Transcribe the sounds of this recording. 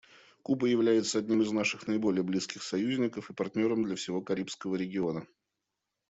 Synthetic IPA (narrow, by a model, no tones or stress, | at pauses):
kubɨjɪvlʲæjɪt̪səɐdʲnʲimɨznaʂɨxnəɪbo̞lʲɪjəblʲiskʲɪxsɐjuzʲnʲɪkəfɨpɐrt̪ʲnʲo̞ɾəmd̪lʲɐfsʲɪvo̞kɐɾʲipskəvəɾʲɪɡʲɪo̞nə